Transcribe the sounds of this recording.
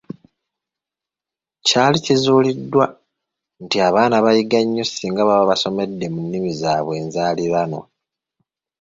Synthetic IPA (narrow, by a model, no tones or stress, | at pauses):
caːlicizuːlidːwa | ntiaβaːnaβajiɡaɲːusiːŋɡaβaβaβaso̞me̞dːe̞munːimizaːβwe̞ːnzaːliβano̞̰